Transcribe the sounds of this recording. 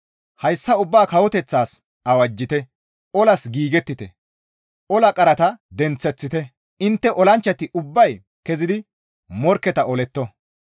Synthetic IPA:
hɐjsːɐʊbːaːkɐwɔt̪ɛt͡sːaːs | ɐwɐd͡ʒːɪt̪ɛ | ɔlɐsɡiːɡɛt̪ːɪt̪ɛ | ʔɔlɐkʼɐɾɐt̪ɐd̪ɛnt͡sːɛt͡sːɪt̪ɛ | ɪnt̪ːɛʔɔlɐnt͡ʃːɐt̪ɪʔʊbːɐj | kɛzɪd̪ɪ | mɔɾkːɛt̪ɐɔlɛt̪ːɔ

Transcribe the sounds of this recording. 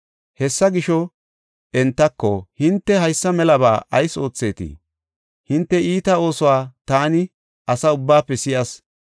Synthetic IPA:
hɛsːɐɡɪʃɔ | ʔɛnt̪ːɐkːɔhɪnt̪ːɛɦɐjsːɐmɛlɐbaːʔɐjso̞ːt͡sːe̞ːt̪ḭ | hɪnt̪ːɛiːt̪ɐo̞ːsɔwaːt̪aːnɪ | ʔɐsɐʊbːaːpːɛsɪjɐs

